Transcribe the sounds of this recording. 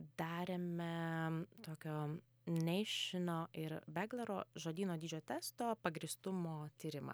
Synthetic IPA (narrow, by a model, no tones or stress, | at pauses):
d̪̥ɑːɾʲeːmʲɛt̪oːkʲoː | nʲɛɪʃʲɪnoːʔɪɾbʲæɡlʲˠɛɾoːʒoːd̪ʲiːnoːd̪ʲiːd͡ʒʲoːt̪ʲæst̪oːpɐɡɾʲiːst̪ʊmoːt̪ʲiːɾʲɪmɐ̰